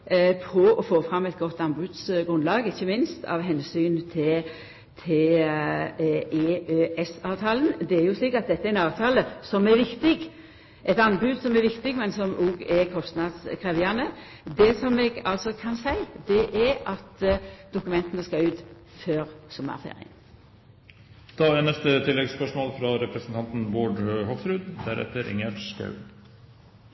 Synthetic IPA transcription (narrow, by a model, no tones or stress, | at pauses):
pʰɔʔɔfoːfʁɑmːɛt̪̚ɡɔt̪ːɑnbʉːd̪sɡɾʉnd̪lɑːɡɪçːəmɪnst̪ɑ̰ʋɦɛnsyːnt̪ʰɪ | t̪ʰɪl | eːʔøːʔɛsɑːʋt̪ʰɑːlənd̪ɛæɾjʊsliːkɑt̪̚d̪ɛt̪ːəɛɾɛnɑːʋt̪ʰɑːləsɔmɛɾʋɪkt̪ɪɡ | ʔɛt̪ɑnbʉd̪sɔmɛɾʋɪkt̪ɪɡmɛnsɔmʔuɡɛɾkʰɔst̪nɑd̪skʰʁɛːʋɪɑnə | d̪ɛsɔmɛɡɑlsɔkʰɑnsæɪd̪ɛʔɛɾɑt̪d̪ʊkʉmɛnt̪ənəskɑʉːt̪ | føːʁsɔmːɑ̰fḛːɾɪ̰ə̰n | d̪̥ɑːænɛst̪ət̪ʰɪlːɛɡspœʂmoːlfɾɑɾɛpɾəsnt̪ɑnt̪n̩boːɖhɔksɾʉːd̪d̪æ̰ɾɛ̰t̪ːəɾʔɪ̰ŋəskʰɑ̰ʉ